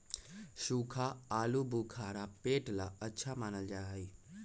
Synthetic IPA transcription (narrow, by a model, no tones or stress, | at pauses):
ʃuːkʰaaːlubukʰaːɾapeːʈlaətːʃʰamaːnəld͡ʒaːɦəi